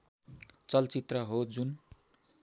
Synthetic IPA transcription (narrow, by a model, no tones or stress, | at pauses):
t͡sʌlt͡sit̪rʌɦod͡zun